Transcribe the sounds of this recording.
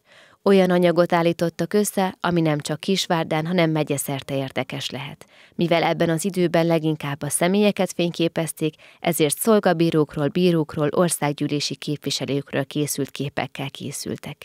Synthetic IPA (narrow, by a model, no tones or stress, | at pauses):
o̞jɒnɒɲɒɡo̞t̪aːlːiːt̪o̞t̪ːɒkø̞sːɛɒminɛmt͡ʃɒkːiʃʋaːrd̪aːnɦɒnɛmːɛɟɛsɛrt̪ɛeːrd̪ɛkɛʃlɛɦɛ̰t̪ | mivɛlɛbːɛnɒzid̪øːbɛnlɛɡiŋkaːbːɒsɛmeːjɛkɛt̪feːɲkeːpɛst̪eːk | ʔɛ̰zeːrt̪so̞lɡɒbiːɾoːkroːlbiːɾoːkroːlʔo̞rsaːɡɟyːleːʃikeːpʋiʃɛløːkrø̰ːlkeːsylt̪keːpɛ̰kːɛlkʰḛːsy̰lt̪ɛk